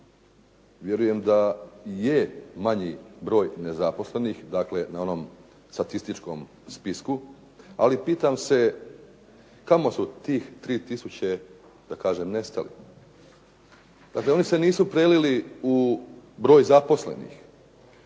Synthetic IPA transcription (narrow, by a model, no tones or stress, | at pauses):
ʋje̞ɾuje̞md̪ajemaɲibɾo̞ːjne̞zapo̞sle̞nixd̪aːkle̞nao̞no̞m | st̪at̪ist̪it͡ʃko̞m | spisku | alipiːt̪amse̞ | kamo̞sut̪iːxt̪ɾiːt̪isut͡ɕe | d̪̥akaːʒemne̞st̪alḭ | d̪̥akle̞o̞nise̞niːsupɾeliliubɾo̞ːjzapo̞sle̞̰nḭx